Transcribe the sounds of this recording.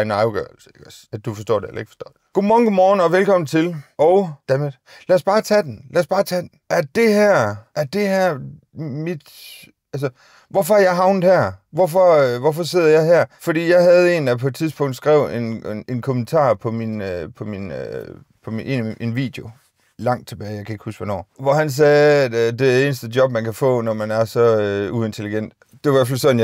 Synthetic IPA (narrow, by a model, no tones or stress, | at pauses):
nɑɪʊɡ̥ɶ̰ɐlsəelɐæd̥ufɒ̽sd̥ɔ̰ːd̥eelɐe̝ɡ̥fɒ̥̽sd̥ɒ̰ːd̥ɡ̥omɒːnɡ̥omɒːn̩ɒ̽ʋelkʰɒ̽mn̩t͡sʰe̝lʔɒʊd̥æme̥ | læɐsb̥ɑ̈ːt͡sʰɛd̥enlæɐsb̥ɑ̈ːt͡sʰɛd̥n̩æɐd̥e̝hæɐ̰ʔæɐd̥e̝hæɐ̰ | mid̥ | ælsə | ʋɒfɒæɐjɑ̈ɪɦɑ̈ʊnð̩ˠhæɐ̰ʋɒfɒ̽ʋɒfɒ̽s̬e̝ð̞̰ˠɐjɑ̈ɪɦæɐ̰fɒd̥ḭːjɑ̈ɪɦæð̞ˠe̝n̥æpʰɒ̽e̝d̥̚t͡sʰiðˠsb̥ɔ̽ŋ̰d̥sɡ̥ʁɛ̰ʊ̰e̝ne̝nkʰo̝mənt͡sʰɑ̰̈ːpʰɒ̽minpʰɒ̽minø | pʰɒ̽mie̝nʔenʋḭːd̥eo̝ | lɑ̈ŋ̰d̥̚t͡sʰe̝b̥ɛːɪjɑ̈ɪkʰæe̝ɡ̥husɡ̥ʋɒnɒ̰ːʋɒhæns̬ɛːæd̥d̥e̝æe̝ːnəsd̥ədjɒ̽b̥̚mænkʰæfɔ̰̽ːnɒmænæɐsɒ̽ue̝nt͡sʰeliɡ̥en̰d̥e̝ɑʋæɐfælsɒ̽dnj